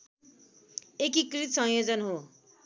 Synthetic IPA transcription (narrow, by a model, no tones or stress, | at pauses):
ekikrit̪sʌ̃ŋjod͡zʌnɦo